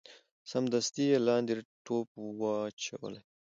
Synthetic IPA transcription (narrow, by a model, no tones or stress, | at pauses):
samd̪ast̪ielɑːnd̪iɾʈopwɑt͡ʃʰa̰wə̰la